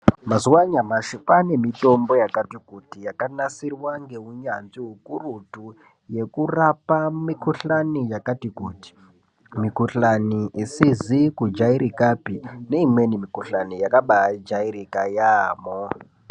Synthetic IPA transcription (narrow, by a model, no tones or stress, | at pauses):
mazuwaɲamaʃupane̞mito̞mbo̞jakatikutijakanasirwaŋɡe̞ɦuɲanziɦukurutu | je̞kurapamikuɬanijakatikuːti̥ | mikuɬaniʔisizikud͡ʒaiɾikapine̞imwe̞nimikuɬanijakaɓad͡ʒaiɾikajaːmo